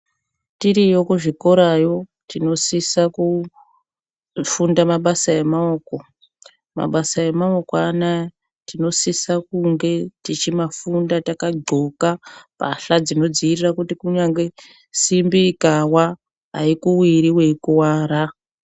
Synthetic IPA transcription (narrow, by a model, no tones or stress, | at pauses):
tiɾijokuʐiko̞ɾajo̞tino̞sisaku | fundamaɓasaemaoːko̞ | ma̰ɓasaemaokoana | tino̞sisakuŋɡe̞tit͡ʃimafundatakaɡ͡ǃʱo̞kapa̰ɬad͡zino̞d͡ziirirakutikuɲaŋɡe̞ | simbikawa | ɦa̰ikuwiɾiwe̞kuwaːɾa